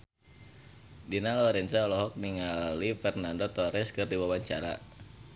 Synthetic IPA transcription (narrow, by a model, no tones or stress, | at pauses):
dinalɔɾɛnsaɔlɔɦɔk̚niŋalifɛrnandot̪ɔɾɛskɨrdiwawaɲt͡ʃaɾa̰